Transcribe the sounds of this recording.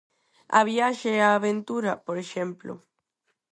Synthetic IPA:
a̰βjaʃeaːβent̪uɾapoɾeʃẽmplo̰

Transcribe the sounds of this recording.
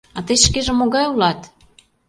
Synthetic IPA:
ɑt̪əjʃkeʒĕmoɣɑjulɑt̪

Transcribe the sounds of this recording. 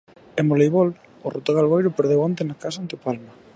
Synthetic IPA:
emolejβol | ʊ̰rot̪oɣalɣojɾʊpeɾðewant̪enakasant̪eopalma

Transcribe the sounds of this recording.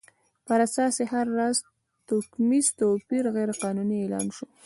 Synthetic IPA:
pəɾasɑsehaɾːaz | t̪okmizt̪opiɾɣejɾeqɑnunielɑ̰nʃu

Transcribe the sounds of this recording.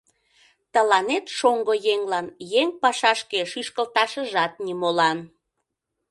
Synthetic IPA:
t̪əlɑnet̪ʃoŋɡojeŋlɑnjeŋpɑʃɑʃkeʃyʃkəlt̪ɑʃəʒɑt̪̚nimolɑn

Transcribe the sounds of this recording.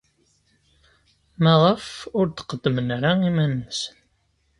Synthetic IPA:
mæʁəfʊɾt̪qəd̪ːəmənɾæimænːəsən

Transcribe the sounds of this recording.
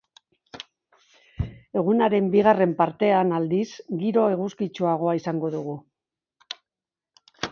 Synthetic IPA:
e̞ɣ̞unaɾe̞mbiɣ̞are̞mpaɾt̪e̞anald̪isɡiɾo̞e̞ɣuskit͡ʃuaɣ̞o̞aisaŋɡo̞ðuɣ̞u

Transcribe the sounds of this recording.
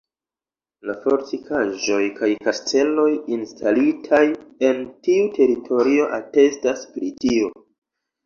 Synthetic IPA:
lafo̞ɾtikʰaʒo̞jkajkastʰe̞lo̞jinstʰalitʰaje̞ntiutʰe̞ɾitʰo̞ɾio̞ʔate̞staspɾitio

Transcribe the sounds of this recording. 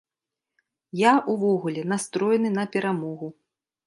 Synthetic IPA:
jaʔuvɔɣulʲɛn̪ast̪ɾɔjɛnɨnɐpʲɛɾamɔɣu

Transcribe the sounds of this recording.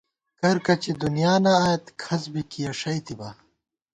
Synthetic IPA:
kɐɾkɐt͡ɕid̪unijaːnɐːjɐt̪kʰɐzbikijɐʂɐjt̪iba

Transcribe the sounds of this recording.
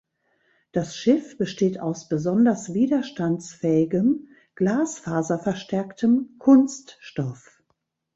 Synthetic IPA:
d̥asʃɪfb̥əʃteːtaʊsb̥əzɔndɐsv̥iːdɐʃtant͡sfɛːɪɡəm | ɡ̥laːsfaːzɐfɛɐʃtɛɐktʰəmkʰʊnstʃtɔf

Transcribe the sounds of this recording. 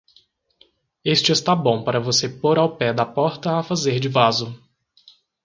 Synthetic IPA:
est͡ʃɪɪst̪abõpaɾɐvosepoɾawpɛd̪ɐpɔɾt̪ɐafazeɾd͡ʒɪvazʊ

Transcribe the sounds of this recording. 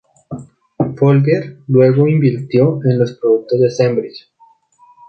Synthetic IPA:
folbjeɾlwe̞ɣo̞imbiɾt̪jo̞enlo̞spɾoðuk̚t̪o̞zd̪e̞sembɾis

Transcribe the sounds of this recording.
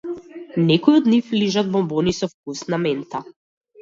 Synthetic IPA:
nɛkɔjɔd̪nifliʒad̪̚bɔmbɔnisɔfkusnamɛnt̪a

